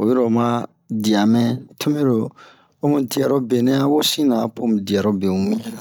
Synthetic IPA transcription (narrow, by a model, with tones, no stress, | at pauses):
o˨je˦ɾo˨mã˦ | di˨a˨mɛ̃˦tʰu˦me˦ɾo˨ | o˦mũ˦˨ti˨a˨ɾo˦be˨nɛ̃˦a˦wo˦sĩ˦nã˨˦põ˦m˨di˨a˨ɾo˦be˨ũ˨mĩ˦˨